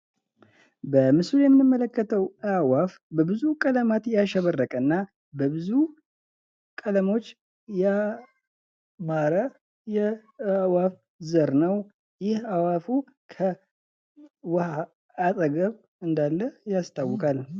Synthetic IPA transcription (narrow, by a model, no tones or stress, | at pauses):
bəmɨsujɛmmːɨmːələkːət̪ʰəwəawafbəbɨzukʼələmat̪jaʃɛβərːəkʼəɨnːa | bəbɨzu | kʼələmo̞t͡ʃː | ja | maɾə | jɛawaf | zəɾnəw | jɪhawafu | kʰə | wəhaː | t̪ʼəɡəβ | ɨnd̪alːəjast̪ʰawːɔkʰʼal